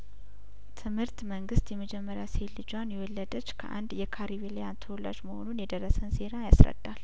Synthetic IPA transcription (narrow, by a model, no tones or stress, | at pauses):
t̪ʰɨmhɨɾt̪məŋɡɨst̪jɛməd͡ʒɛmːəɾjaselːɨd͡ʒwanjɛwɔlːəd̪ət͡ʃːkʰə̰ʔa̰nd̪jɛkʰaɾiβelejant̪ʰəwɔlːa̰d͡ʒməho̞̰nunjɛd̪ərːəsənse̞ɾajasɾə̰d̪̥ːal